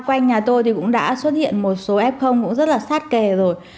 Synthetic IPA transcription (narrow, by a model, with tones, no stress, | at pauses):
kwa˧jŋ̟ɲaː˨˩t̪o˧jt̪i˨˩kʊ̰˧˥ŋ͡mɗa̰ː˧˥swə˦˥t̚hḭ˧˨ənmo˨˩t̚so˨˦ʔɛ˦˥p̚xə˧wŋ͡mkʊ̰˧˥ŋ͡mzə˦˥t̚laː˨˩saː˦˥t̚ke˨˩zo˨˩j